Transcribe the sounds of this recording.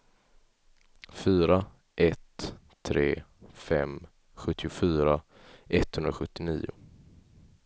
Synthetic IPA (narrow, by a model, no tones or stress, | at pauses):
fyːɾa | ʔɛt̪ʰː | ɾeːfɛm | ɧɵt̪ʰːɪʊfyːɾa | ʔɛt̪hɵnɾaɧɵt̪ːɪnḭːʊ̰